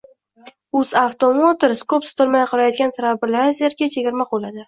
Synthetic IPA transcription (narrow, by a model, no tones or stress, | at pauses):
ʊz̥aft̪omot̪ɪɾskʰopso̥t̪ʰɪɾmajqʰɑɾajɒd̪ɡʲant̪ʰaɾabɪlaɾzeɾkʲat͡ʃʰeɡʲɪɾmaqolˠad̪ɪ